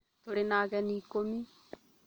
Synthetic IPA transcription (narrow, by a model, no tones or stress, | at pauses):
t̪oɾenaːɣɛniːkomi